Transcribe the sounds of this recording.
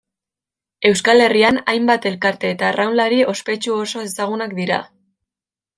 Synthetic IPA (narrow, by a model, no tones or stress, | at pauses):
e̞wskale̞rianajmbat̪e̞lkaɾt̪e̞ːt̪arawlaɾiʔo̞spe̞t͡ʃuo̞so̞e̞saɣ̞unak̚d̪iɾa̰